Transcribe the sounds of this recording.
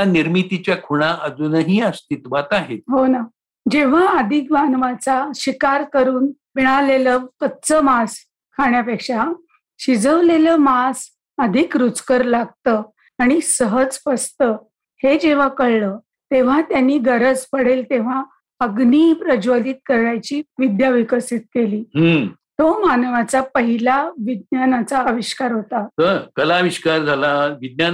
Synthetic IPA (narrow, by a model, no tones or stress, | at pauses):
aniɾmit̪it͡ɕjakʰuɽ̃aʔəd͡zunəɦiəst̪it̪ʋat̪aɦeɦona | d͡ʑeʋ̤aəd̪ʱikʋanʋat͡saɕikaɾkəɾuːnʋiɭ̃aleləkət̪t͡səmas | kʰaɳjapekʂa | ɕid͡zəʋleləːmas | əd̪ʱikɾut͡skəɾlaɡ̚t̪ə | aɽ̃isəɦəd͡zfəst̪ə | hed͡ʑeʋ̤akəɭləː | t̪eʋ̤at̪janːiːɡəɾəd͡zpəɽ̤elt̪eʋ̤a | əɡniːpɾəd͡ʑʋəliːt̪̚kəɾɭajt͡ɕiːʋid̪jaʋikəsit̪̚keliːɦət̪omanəʋat͡sapəɦilaʋid̪̚njanat͡saʋiɕkaɾɦot̪at̪əkəlaʋiɕkaɾd͡zʱalaʋid̪̚nja